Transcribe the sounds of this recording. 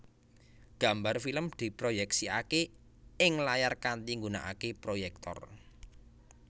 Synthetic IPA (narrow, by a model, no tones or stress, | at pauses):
ɡ̥a̤mbarfiləmd̪̥i̤pɾojɛksiake | ɪŋlajarkant̪iŋɡuna̰ʔa̰kepɾojɛk̚t̪ɔ̰r